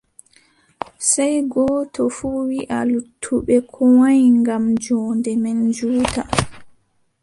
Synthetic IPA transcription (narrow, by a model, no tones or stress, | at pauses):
sajɡɔːtɔfuːwiʔalutʰːuɓɛkʰɔwajŋɡamd͡ʒɔːndɛmɛnd͡ʒuːta